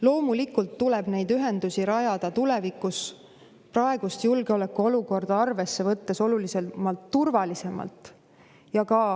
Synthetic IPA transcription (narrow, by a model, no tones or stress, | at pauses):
lo̞ːmulikːult̪ːuleb̥ne̞jd̪yɦe̞nd̪̥usiɾɑjɑd̪̥ɑt̪ule̞vikus | prɑe̞ɡ̥ust̪julɡeo̞le̞kːuo̞luko̞rd̪̥ɑɑrve̞sːe̞vɤt̪ːe̞so̞lulise̞lmɑlt̪ːurvɑlise̞mɑ̰lt̪ˑ | jɑkɑ